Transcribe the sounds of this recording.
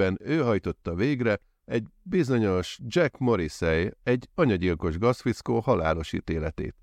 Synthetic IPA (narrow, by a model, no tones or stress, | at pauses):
ɛnøːɦɒjt̪o̞t̪ːɒveːɡrɛ | ɛɟbizo̞ɲo̞ʃd͡ʒɛkmo̞ɾisɛjɛɟːɒɲɒɟilko̞ʒɡɒsfit̪skoːhɒla̰ːlo̞ʃḭːt̪eːlɛt̪ḛːt̪